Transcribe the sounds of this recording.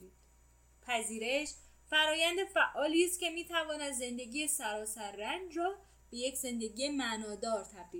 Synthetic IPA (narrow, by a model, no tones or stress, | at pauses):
i | pʰæziːɾe̞ʃ | fæɾɒːjænd̪e̞fæʔɒːliːst̪̚cʲʰe̞miːt̪ʰævɒːnæd̪ze̞nd̪e̞ɡiːjesæɾɒːsæɾːænd͡ʒɾɒː | b̥e̞jecʰz̥e̞nd̪eɡiːjemænɒːd̪ɒːɾt̪ʰæbdi